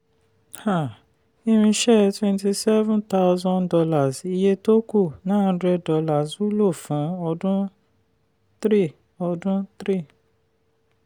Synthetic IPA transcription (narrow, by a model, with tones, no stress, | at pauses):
ha˦˨ | i˧ɾ̃ĩ˧ʃɛ˦twɛ̃˧nti˧sɛ˦vũ˦nta˦ʊzɔ̃˧ndɔ˧la˨zi˧je˦to˦ku˦˨nãː˦˨˧dɾɛ˧dɔ˧la˨zu˦lo˦˨fũ˨˦ɔ˧dũ˦ | t̪ɾi˦˨ | ɔ˧dũ˦t̪ɾi˦˨